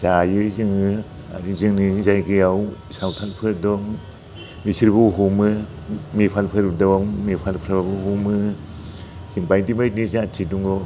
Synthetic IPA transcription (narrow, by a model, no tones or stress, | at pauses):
zajɯzɯŋɯ | a̰ɾizɯŋnizajɡejaw | sawtʰalpʰɯɾdɔŋ | misiɾbuɦumɯ | mepʰalpʰɯɾdaŋmepʰalpʰɾababuhumɯ | ziŋpajdimajt̚nizatʰiduŋɔ